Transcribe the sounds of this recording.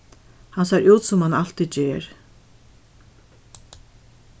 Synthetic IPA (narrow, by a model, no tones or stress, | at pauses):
hansajɾuːt̪sʊmhanal̥t̪it͡ɕeːɾ